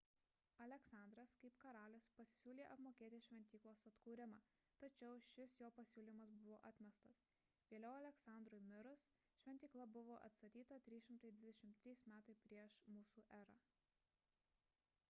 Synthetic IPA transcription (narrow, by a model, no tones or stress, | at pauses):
ɐlʲɛksɑˑnd̪ɾɐskɐɪpkɐɾɑːlʲɪspɐsʲɪ̥sʲuːlʲeːʔɐpmoːkʲeːt̪ʲɪʃʲʋʲɛnʲt̪ʲiːklˠoːsɐt̪kuːɾʲɪmɑː | t̪ɐt͡ʃʲɛʊʃʲɪsjoːpɐsʲuːlʲiːmɐsbʊʋoːʔɑːt̪ʲmʲɛst̪ɐs | ʋʲeːlʲɛʊɐlʲɛksɑˑnd̪ɾʊjmʲɪɾʊsʃʲʋʲɛnt̪ʲiːklˠɐbʊʋoːʔɐ̰t̪st̪ɐt̪ʲiːt̪ɐt̪ʲɾʲiːʃʲɪmt̪ɐɪd̪ʲʋʲɪd̪ʲɛʃʲɪmt̪ʲɾʲiːsmʲæːt̪ɐɪpʲɾʲiɛʃmuːsuːʔæːɾɑː